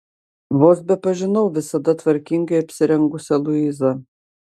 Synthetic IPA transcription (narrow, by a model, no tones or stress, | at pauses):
ʋoːsbʲɛpɐʒʲɪnɐʊʋʲɪsɐd̪ɐt̪ʋɐɾʲkʲɪŋʲɡɐɪɐpʲsʲɪɾʲɛŋɡʊsʲɛlˠʊizɐ